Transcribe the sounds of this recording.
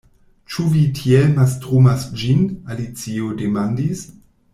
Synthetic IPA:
t͡ʃuvitʰielmastʁumasd͡ʒinalit͡siodemandis

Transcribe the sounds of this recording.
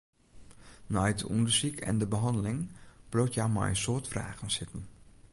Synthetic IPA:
najtdəundəɹsikʰɛ̰ndəbəɦɑndəlɪŋb̥lowtjawma̰jnsoːtfra̰ːɣənsɪtən̩

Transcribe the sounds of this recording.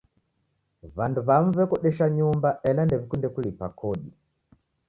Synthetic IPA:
vanduβaɱ̩vɛkɔɗɛʃaɲumbaʔɛlandɛvikundɛkulipakʰɔɗi

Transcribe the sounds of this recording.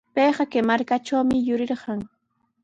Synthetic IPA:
pejɢɑkemaɾkaʈ͡ʂawmɪjʊɾɪɾɢɑŋ

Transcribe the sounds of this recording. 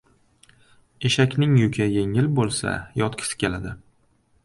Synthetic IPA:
e̞ʃakʲnɪŋjʊkʲʰaje̞ŋɪlbolˠsa̰jɒt̪kʲʰɪ̥sɪ̥kʲʰe̞lad̪ɪ

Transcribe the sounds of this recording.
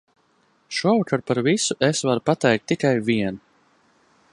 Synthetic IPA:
ʃuɔvakaɾpaɾvisuʔesvaɾupat̪ɛjk̚t̪ːikajviɛn

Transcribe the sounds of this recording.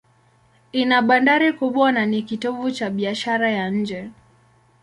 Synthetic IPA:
inaɓandaɾikuɓwananikitɔvut͡ʃaɓiaʃaɾajaɲ̩d͡ʒɛ

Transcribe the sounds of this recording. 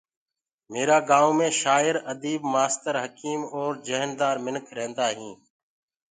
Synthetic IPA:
meːɾaːɡaːwmẽːʃaːɪɾəd̪iːbmaːst̪əɾɦəkiːmoːɾd͡ʒəɦnd̪aːɾmɪnkʰɾẽːnd̪aːɦĩː

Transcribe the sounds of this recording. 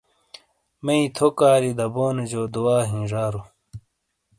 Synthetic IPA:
mɐĩt̪ʰokaːɾid̪ɐboːned͡ʑoːd̪uaːɦĩːʐaːɾu

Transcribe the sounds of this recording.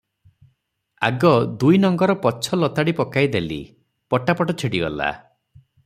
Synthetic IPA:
a̰ɡɔd̪ujnɔŋɡɔɾɔpɔt͡ʃʰɔlɔt̪aɽipɔkajd̪elḭ | pɔʈapɔʈɔt͡ʃʰiɽiɡɔla̰

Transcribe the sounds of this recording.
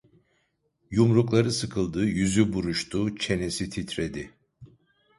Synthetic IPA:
jumɾuklˠaɾɯsɯkʰɯlˠd̪ɯːjyzybuɾuʃt̪ʰut͡ʃʰe̞nesit̪ʰit̪ɾed̪i

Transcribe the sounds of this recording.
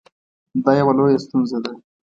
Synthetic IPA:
d̪ɑjawalojest̪unzed̪a

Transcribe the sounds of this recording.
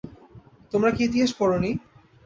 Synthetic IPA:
t̪omɾakiit̪iɦaʃkɔɾoni

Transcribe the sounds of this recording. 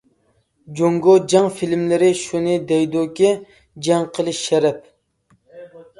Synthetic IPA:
d͡ʒoŋɡod͡ʒɑŋfilmlɪɾɪʃunɨd̪ɛjd̪okʲi | d͡ʒɑŋqʰəlˠɨʃɛɾɛp̚

